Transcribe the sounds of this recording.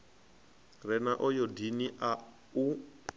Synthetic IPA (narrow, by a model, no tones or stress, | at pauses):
rɛnaʔɔjɔdiniʔa | u